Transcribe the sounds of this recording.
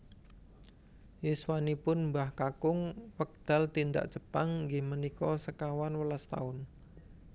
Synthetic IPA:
jiswanipʊnmbahkakʊŋwək̚d̪̥a̤lt̪ind̪a̰ʔt͡ʃəpaŋŋɡɪhmənikɔsəkawanwəlast̪a̰ʊn

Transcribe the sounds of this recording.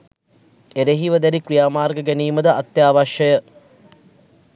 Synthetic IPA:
eɾeɦiʋəd̪æɾikɾijaːmaːrɡəɡæniːməd̪əʔat̪jaːʋaʃəjə

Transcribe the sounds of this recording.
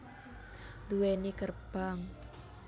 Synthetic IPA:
d̪uwenikərb̥aŋ

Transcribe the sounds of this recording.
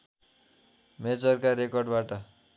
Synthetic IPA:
med͡zʌrkarekʌrɖbaʈʌ

